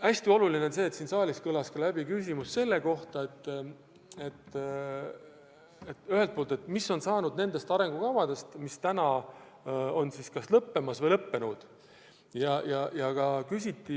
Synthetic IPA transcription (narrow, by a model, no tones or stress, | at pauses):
æsʲt̪io̞lulineonse̞ːt̪siːnsɑːliskɤlɑskɑlæb̥ikysʲimusse̞lːe̞ko̞ht̪ɑe̞t̪ː | e̞t̪ː | et̪ːyhelt̪̚po̞ːlt̪e̞t̪ːˑmisːo̞nsɑːnud̪ne̞nd̪̥e̞st̪ɑɾe̞ŋɡ̥ukɑvɑd̪e̞st̪mist̪ænɑ | o̞nsiskɑslɤpːe̞mɑsvɤjlɤpːe̞nud̪̥ | jɑjɑjɑkɑkysʲit̪ːi